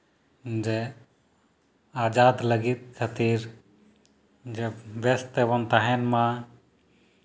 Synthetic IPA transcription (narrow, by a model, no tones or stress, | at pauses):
d͡ʒe | aːd͡ʒaːd̪ləɡit̪̚kʰət̪iɾ | d͡ʒeʋɛst̪eʋənt̪aɦɛnmã